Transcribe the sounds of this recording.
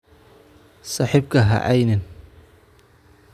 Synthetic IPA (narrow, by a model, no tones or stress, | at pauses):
sɑːħiːb̚kʰɐɦɐ̰ʔɛjnɪn